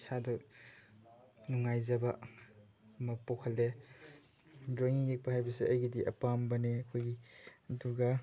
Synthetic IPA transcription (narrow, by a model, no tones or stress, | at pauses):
sadɐ | nuŋajzɐbɐ | mɐpokʰɐlːe | dɾaŋijek̚paɦajbɐsiɐjɡidiʔɐ̰pambɐneɐkʰojɡiɐduɡɐ